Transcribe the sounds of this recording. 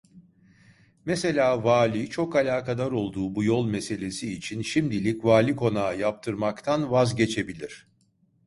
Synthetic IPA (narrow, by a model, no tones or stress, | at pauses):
mese̞lʲaːvaːlʲit͡ʃʰo̞kalʲaːkad̪aɾo̞lˠd̪uːbujo̞lˠme̞se̞lʲe̞siːt͡ʃʰinʃimd̪ilʲicvaːlʲikʰo̞naːjap̚t̪ʰɯɾmakt̪ʰanvazɟe̞t͡ʃʰe̞bilʲiɾ̝̥